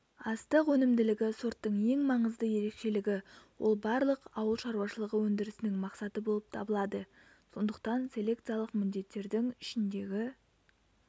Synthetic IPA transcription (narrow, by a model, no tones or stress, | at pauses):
ɑst̪əqwɵnɪmd̪ɪlɪɡʲɪsoɾt̪ːəɴe̞ŋmɑɴəzd̪əje̞ɾe̞kʃe̞lɪɡʲɪwo̞̰lˠbɑɾlˠəqɑwəlˠʃɑɾuwɑʃəlˠəʁəwɵnd̪ɪɾɪsɪnɪŋmɑqsɑt̪əbo̞lˠəp̚t̪ʰɑbəlˠɑd̪ə | so̞nd̪əqt̪ɑnsʲe̞lʲe̞kt̪sijalˠəqmɪnd̪e̞t̪ːe̞ɾd̪ɪŋɪʃɪnd̪e̞ɡʲɪ